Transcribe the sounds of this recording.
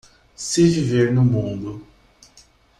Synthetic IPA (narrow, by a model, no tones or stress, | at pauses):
sɪviveɾnʊmũnd̪ʊ